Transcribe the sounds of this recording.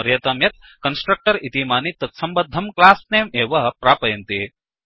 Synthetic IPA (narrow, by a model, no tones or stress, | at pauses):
ɐɾjɐt̪ɐmjɐt̪̚ | kɐnsʈɾɐk̚ʈɐɾit̪imaːnit̪ɐt̪sɐmbɐd̪ʱːɐmklaːsneːmeːʋɐɦɐpɾaːpɐjɐnt̪e